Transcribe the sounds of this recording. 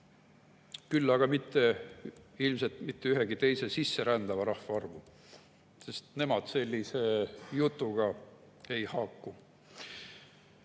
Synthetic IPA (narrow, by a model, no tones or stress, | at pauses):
kylːɑɡ̥ɑmit̪ːe̞ | ilms̬e̞lt̪mit̪ːeyɦeɡit̪e̞jsesisːe̞ɾænd̪̥ɑvɑɾɑhfɑɑrvu | se̞st̪ne̞mɑd̪̥se̞lʲːise̞jut̪ːˑuɡ̥ɑ | e̞jhɑkːu